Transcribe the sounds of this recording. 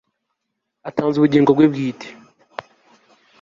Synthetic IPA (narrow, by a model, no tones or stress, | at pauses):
ataːnzuβuɟiːŋɡoɡwebɡiːte̥